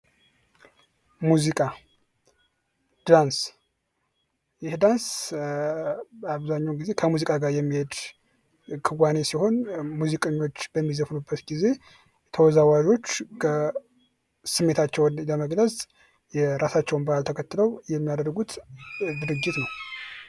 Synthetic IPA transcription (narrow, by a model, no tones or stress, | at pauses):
muzikʼa | d̪̥ans | jɪhd̪ans | aβzaɲːɛwɡize̞kʰəmuzikʼaɡaɾjɛmːihed̪ | kʰɨwane̞siho̞nmuzikʼeɲːo̞t͡ʃːbəmːizəfnubːət̪ɡize̞ | jɛt̪ʰəwɔzawaʒo̞t͡ʃːkə | sɨmːe̞t̪ʰat͡ʃːɛwnləməɡləz | jɛɾasat͡ʃːɛwunbəalt̪ʰəkʰət̪ːɨləwjɛmːijad̪əɾɡut̪d̪ɨɾɨd͡ʒːɪt̪nəw